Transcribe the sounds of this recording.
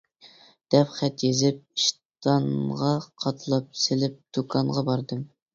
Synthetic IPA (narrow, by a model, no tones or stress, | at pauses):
d̪̥ɛpχɛt̪jezɪp̚iʃt̪ɑnʁɑqʰɑt̪ʰlˠɑp̚selɪp̚d̪̥ukʰɑŋɴʁɑbɑɾd̪ɨm